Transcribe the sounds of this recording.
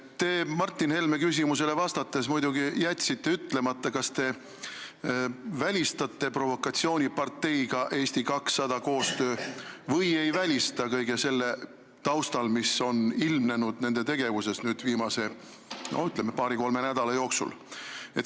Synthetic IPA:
t̪e̞ːmɑrt̪ːˑinhe̞lme̞kys̬ʲimus̬e̞le̞vɑst̪ɑt̪ːˑe̞smujd̪̥uɡijæt̪ʲsit̪ːe̞yt̪ːˑle̞mɑt̪ːɑkɑst̪e̞ | vælʲist̪ɑt̪ːe̞pro̞vo̞kːˑɑt̪ʲsio̞ːnʲipɑrt̪ːe̞jɡ̥ɑʔe̞ːst̪ikɑksːɑd̪̥ɑko̞ːst̪ø̞ːvɤje̞jvælʲist̪ɑkɤjɡese̞lːe̞ | t̪ɑwst̪ɑlmiso̞nilmne̞nud̪̥ne̞nd̪̥e̞t̪e̞ɡe̞vuse̞snyːd̪̥viːmɑse̞ | no̰yt̪ˑlemːepɑːɾiko̞lme̞næd̪̥ɑlɑjo̞ːksṵlet̪

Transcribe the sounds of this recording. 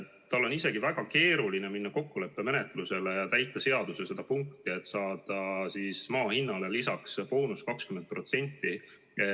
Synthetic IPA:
t̪ːɑlːo̞nise̞ɡ̥ivæɡ̥ɑke̞ːɾulineminːɑko̞kːule̞pːe̞me̞ne̞t̪ˑluse̞le̞jɑt̪æjt̪ˑːɑse̞ɑd̪̥usese̞d̪̥ɑpuŋkt̪ie̞t̪ːˑsɑːd̪̥ɑsismɑːhinːɑlelisɑkspo̞ːnuskɑkskyment̪̚pro̞t̪se̞nʲt̪ˑːi | e

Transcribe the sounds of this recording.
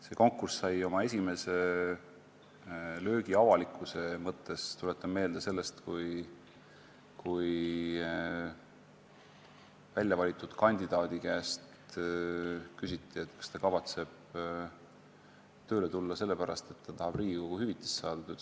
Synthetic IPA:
se̞ko̞ŋkːˑurssɑjo̞mɑe̞s̬ʲime̞se̞ | lø̞ːɡiɑvɑlikːˑuse̞mɤt̪ʰːˑest̪ulet̪ːˑɑme̞ːld̪̥ese̞lːe̞st̪kuj | kuj | vælʲjɑvɑlʲit̪ːˑud̪̥kɑnʲd̪̥id̪̥ɑːd̪̥ikæːst̪ | kysit̪ːˑie̞t̪kɑ̥st̪ɑkɑvɑt̪se̞b̥̚ | t̪ø̞ːle̞t̪ulːɑse̞lːe̞pæɾɑ̰st̪e̞t̪ːɑt̪ɑhɑb̥riːɡiko̞ɡ̥uhyvit̪ːˑi̥ssɑːd̪̥ɑt̪ø

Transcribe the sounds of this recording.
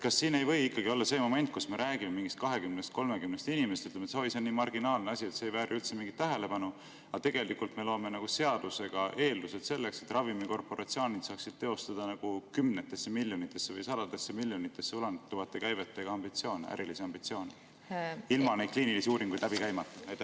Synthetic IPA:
kɑsːiːne̞jvɤ̞jikːɑɡio̞lːɑse̞mo̞me̞nt̪̚kusme̞ɾʔæːɡ̥imemiŋɡist̪̚kɑɦe̞kymnest̪̚ko̞lmekymnest̪inime̞st̪yt̪lemet̪seoiseniːmɑrɡ̥inɑːlneɑsʲie̞t̪seːjvæːɾʔylt̪semiŋɡit̪ːæɦe̞le̞pɑnu | ɑt̪e̞ɡ̥e̞likult̪me̞lo̞ːme̞nɑɡ̥use̞ɑd̪̥use̞ɡ̥ɑʔe̞ːlːuse̞d̪se̞lːe̞kse̞t̪rɑvimiko̞rpˑo̞ɾʔɑt̪sio̞ːnid̪̥sɑːksid̪̥̚t̪e̞o̞st̪ɑd̪̥ɑnɑɡ̥ukymne̞t̪ːˑe̞sːemiljo̞nit̪ːˑe̞sːevɤjsɑd̪̥ɑd̪e̞sːemiljo̞nit̪ːˑe̞sːeulɑnt̪ːuvɑt̪ːˑekæjve̞t̪ːˑeɡ̥ɑɑmb̥it̪sio̞ːnḛʔæ̰ɾʔilisiɑmb̥it̪sio̞ːne | ilmɑnejd̪̚kliːnilisiuːɾiŋɡujd̥̪læb̥ikæjmɑt̪ːˑuɑjt̪ːe

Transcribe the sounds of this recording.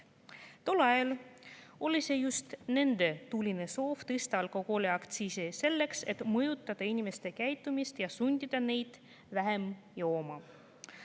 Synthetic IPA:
t̪o̞lːɑjɑl | o̞lʲise̞just̪ne̞nd̪̥e̞t̪ulʲine̞so̞ːft̪est̪ɑlko̞koleɑkt̪sisese̞lːe̞kse̞t̪mɤjut̪ːˑɑd̪̥ɑinʲime̞st̪e̞kæjt̪ːˑumist̪jɑsunʲd̪̥ʲid̪̥ɑne̞jd̪̥ | væɦe̞mjoːmɑ

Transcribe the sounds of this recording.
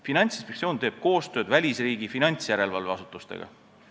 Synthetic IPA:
finɑnʲt̪sinspekt̪sio̞ːnt̪e̞ːb̥̚ko̞ːst̪ø̞ːd̪vælʲisriːɡifinɑnʲt̪sjæɾe̞lvɑlveɑsu̥t̪ːˑust̪ḛɡ̥ɑ̰

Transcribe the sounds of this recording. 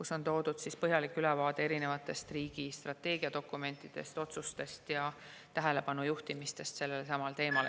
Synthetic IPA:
kuso̞nt̪o̞ːd̪̥ud̪̥sispɤɦjɑlikːˑylevɑːd̪ee̞ɾine̞vɑt̪ːˑe̞st̪riːɡ̥ist̪rɑt̪ːe̞ːɡiɑd̪o̞kːˑume̞nt̪ːˑid̪̥e̞̰st̪o̞t̪sust̪e̞st̪jɑ | t̪æɦe̞le̞pɑnujuht̪imist̪e̞st̪se̞lːelesɑmɑlt̪e̞ːmɑl

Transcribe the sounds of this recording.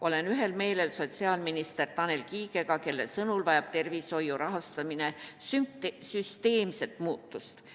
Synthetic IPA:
ʔo̞le̞nyɦe̞lme̞ːle̞lso̞t̪ʲsiɑːlminist̪e̞rt̪ɑne̞lkiːɡe̞kɑke̞lːe̞̰sɤnulvɑjɑb̥t̪e̞rviso̞juɾʔɑɦɑst̪ɑmine̞sysyst̪e̞ːmse̞lt̪muːt̪ːˑust̪

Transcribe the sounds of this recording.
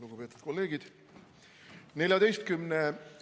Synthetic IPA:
luɡ̥upe̞ːt̪ːˑud̪̥̚ko̞lːe̞ːɡid̪̥ | ne̞lʲjɑd̪e̞jst̪̚kymne

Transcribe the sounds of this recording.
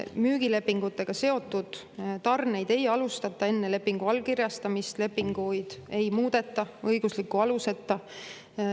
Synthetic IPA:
myːɡ̥ile̞pːiŋɡ̥ut̪ːˑe̞ɡ̥ɑse̞o̞t̪ːˑud̪̥ | t̪ɑrne̞jd̪e̞jɑlust̪ɑt̪ːˑɑe̞nːe̞le̞pːiŋɡ̥uɑlkiɾjɑst̪ɑmist̪le̞pːiŋɡ̥ujd̪̥e̞jmuːd̪̥e̞t̪ːˑɑɤjɡ̥uslikːˑuɑluse̞t̪ːɑ

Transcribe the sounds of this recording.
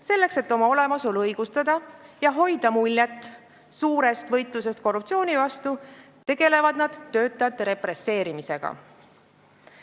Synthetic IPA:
se̞lːe̞kse̞t̪ːo̞mɑo̞le̞mɑsolɤjɡ̥ust̪ɑd̪̥ɑjɑɦo̞jd̪̥ɑmulʲːjet̪ːˑ | suːɾe̞st̪vɤjt̪ˑlus̬e̞st̪̚ko̞rːupt̪sio̞ːnʲivɑst̪u | t̪e̞ɡ̥e̞le̞vɑd̪̥nɑd̪̥ːø̞ːt̪ːˑɑjɑt̪ːe̞ɾe̞pɾe̞sːe̞ːɾimise̞ɡ̥ɑ̰

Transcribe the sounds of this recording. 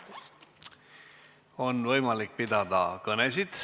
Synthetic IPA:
o̞nvɤjmɑlik̚pid̪ɑd̪̥ɑ̰kɤnes̬id̪̥

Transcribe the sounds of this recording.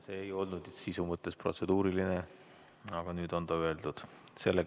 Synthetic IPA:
seːjo̞lnud̪sisumɤt̪ːˑe̞sprot̪se̞d̪̥uːɾiline | ɑɡ̥ɑnyːd̪o̞nd̪ɑye̞ld̪ud̪̥se̞lːe

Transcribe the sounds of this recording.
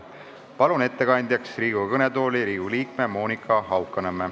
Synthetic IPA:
pɑlune̞t̪ːekɑnʲd̪jɑksriːɡ̥ukɤne̞d̪o̞ːliɾiːɡ̥uliːk̚memo̞ːnikʰːˑɑɦɑwkːˑɑnemːe

